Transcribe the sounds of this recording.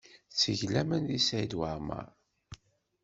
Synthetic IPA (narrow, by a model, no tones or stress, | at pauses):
t͡sːəʝlæmænðisæjd̪wəɾma̰ɾˤ